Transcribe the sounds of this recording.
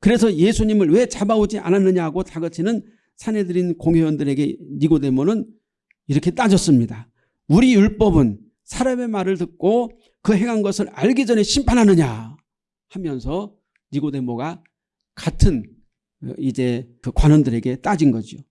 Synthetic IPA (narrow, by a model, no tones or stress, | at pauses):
kɯɾe̞sʰʌje̞sʰuɲimɯɭwe̞t͡ɕabaod͡ʑiʔa̰nanːɯɲaɦɡotaɡɯt͡ɕʰinɯn | sʰane̞dɯɾinkoŋwewʌndɯɾe̞ɡe̞niɡode̞monɯn | iɾʌkʰe̞t͈ad͡ʑʌs͈ɯmɲida | uɾijuɭp͈ʌbɯn | sʰaɾame̞maɾɯɭtɯk̚k͈o | kɯɦe̞ŋɦanɡʌsʰɯɾaɭɡid͡ʑʌne̞ɕʰimpʰanɦanɯɲa | hamjʌnsʰʌ | ɲiɡode̞moɡa | katʰɯn | id͡ʑe̞kɯkwanʌndɯɾe̞ɡe̞t͈ad͡ʑinɡʌd͡ʑio